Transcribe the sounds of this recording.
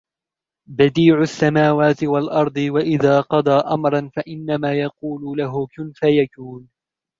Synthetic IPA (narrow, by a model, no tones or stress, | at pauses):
bad̪iːʕʊsːamaːwaːt̪ɪwalʔɑɾˤd̪ˤɨwaʔɪðaːqɑd̪ˤɑːʔamɾˤɑnfaʔɪnːamaːjɑquːlʊlaɦʊkʊnfajakuːn